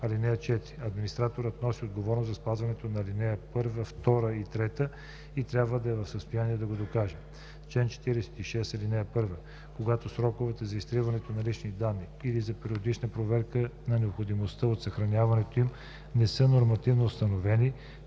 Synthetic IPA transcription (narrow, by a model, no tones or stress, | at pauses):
ɐlinɛjət͡ʃɛt̪ɾiɐd̪minist̪ɾat̪oɾət̪nɔsiod̪ɡovɔɾnozzɐspazvɐnɛt̪onɐːlinɛjəpɤɾvəft̪ɔɾəit̪ɾɛt̪ə | it̪ɾʲabvəd̪ɐɛvɐfsəst̪ojaniɛd̪ɐɡod̪okaʒɛ | t͡ʃlɛnt͡ʃɛ̥t̪iɾɛsɛ̥t̪iʃɛsɐlinɛjəpɤɾvə | koɡat̪osɾɔkʊvɛt̪əzɐist̪ɾivɐnɛt̪onɐlit͡ʃnid̪anːiːlizɐpɛɾiod̪it͡ʃnəpɾovɛɾkənɐnɛopxod̪imost̪əot̪sɐxɾɐnʲjavɐnɛt̪oim | nɛsɤnoɾmɐt̪ivnoːst̪ɐnovɛni